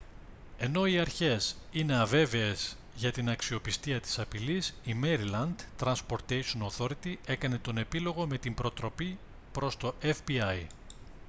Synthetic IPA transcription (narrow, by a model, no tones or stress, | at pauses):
e̞no̞iɐɾçe̞sine̞ɐve̞veez | ʝɐt̪inɐksio̞pist̪iɐt̪i̥sɐpilisime̞ɾilɐnd̪t̪ɾɐnspo̞ɾt̪ejʃonoθo̞ɾit̪ie̞kɐne̞t̪o̞ne̞pilo̞ɣo̞me̞t̪imbɾo̞t̪ɾo̞pi | pɾo̞st̪o̞ʔefbiɐj